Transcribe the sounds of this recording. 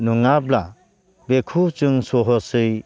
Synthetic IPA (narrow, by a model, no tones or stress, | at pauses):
nuŋabla | bekʰut͡ʃɯŋsoɦɔsɯj